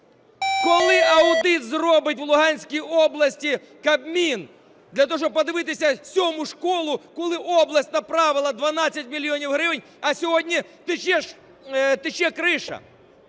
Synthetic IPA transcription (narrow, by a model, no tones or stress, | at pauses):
kɔlˠɪɐʊd̪ɪt̪zrɔbɪt̚ʲwlˠʊɦɑnʲsʲkʲijɔblˠɐsʲtʲi | kɐbmʲin | d̪lʲɐt̪ɔɦɔʃt͡ʃɔb̚pɔd̪ɪʋɪt̪ɪsʲɐsʲɔmʊʃkɔlˠʊkɔlˠɪʔɔblˠɐsʲtʲnɐpɾɑʋɪlˠɐd̪ʋɐnɑt͡sʲːɐtʲmʲilʲːjɔnʲiwɦɾɪʋɪnʲ | ɐsʲɔɦɔdʲnʲit̪ɪt͡ʃɛʃ | t̪ɪt͡ʃɛkɾɪʃɐ̰